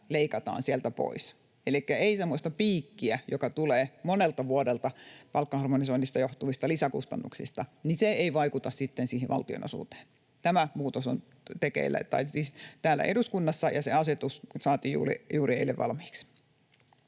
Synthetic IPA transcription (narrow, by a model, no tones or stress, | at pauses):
leikɑt̪ɑ̰ːnsielt̪æpo̰is | elikːæeisemːosʲt̪ɑpiːkːiæjokɑt̪uleːmonelt̪ɑʋuodelt̪ɑpɑlkːɑhɑrmonisointːist̪ɑjoht̪uʋist̪ɑlisækṵst̪ɑ̰nːṵksḭst̪ɑniseeiʋɑikut̪ɑssit̪ːensiːɦiʋɑ̰lt̪io̰no̰sṵːt̪e̥ːn | t̪æmæmuːt̪oso̰n | t̪ekḛilːæ̰t̪ɑiiːst̪æːlːæ̰ʔeduskunːɑsːɑjɑseɑset̪ussɑːt̪iːjṵːlḭjuːrieilːeʋʋɑ̰lmi̥ːks